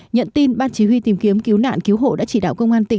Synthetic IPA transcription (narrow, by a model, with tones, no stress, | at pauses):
ɲə̰˧˨nt̪i˧nɓaː˧nt͡ɕi˨˦ɦwi˧t̪i˨˦mki˨˦əmki˨˦əwna̰ː˧˨nki˨˦wɦo̰˧˨ɗa̰ː˧˥t͡ɕi˧˩ɗa̰ː˧˨wkə˧wŋ͡mʔaː˧nt̪ï˧˩